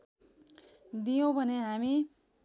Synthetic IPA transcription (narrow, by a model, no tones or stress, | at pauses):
d̪ijõbʱʌneɦami